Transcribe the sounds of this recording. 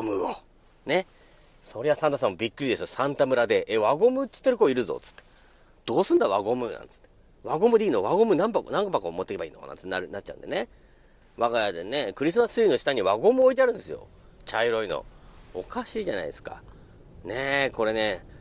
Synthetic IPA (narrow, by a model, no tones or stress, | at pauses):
mɯ̟o | ne̞ | so̞ɾe̞βasãnt̪as̬ãmːobʲikːɯ̟ɾʲid̪e̞sɨjosãnt̪amɯ̟ɾad̪e̞ʔeβaɡo̞mɯ̟t͡sɨ̥t̪ːeɾɯ̟koiɾɯ̟zo̰t͡sɨ̥t̪ːe̥ | d̪̥o̞ːsɨ̃nd̪aβaɡo̞mɯ̟nã̰nt͡sɨ̥t̪ːe | βaɡo̞mɯ̟d̪ʲiːnoβaɡo̞mɯ̟nãmpaknãŋkopakoːmot̪ːekebaḭːno̰na̰nt͡sɨ̥t̪ːaɾɯnat͡ɕ̚ːt͡ɕa̰ɯ̰̃nd̪e̞ne | βaɡajad̪enekɯ̟ɾʲis̬ɨmasɨ̥ɯino̞ɕi̥t̪aɲ̟iβaɡo̞mɯ̟oit̪eaɾɯ̟̃nd̪e̞sɨjo̞̰t͡ɕaiɾo̞ino̰okaɕiːʑana̰id̪esɨ̥ka̰ | neko̞ɾe̞ne̞